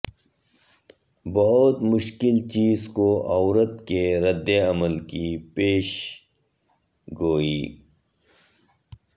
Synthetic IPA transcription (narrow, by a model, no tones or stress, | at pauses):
bɐɦʊt̪mʊʃkɪlt͡ʃiːzkoʔawɾət̪keɾɐd̪ːeɐməlkipeːʃ | ɡoːiː